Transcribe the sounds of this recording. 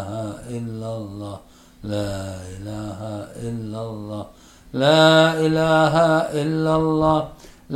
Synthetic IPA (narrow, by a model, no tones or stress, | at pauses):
hæʔilːɑlːɑː | læːilæhæʔilːɑlːɑː | læːilæːhæilːɑlːɑːl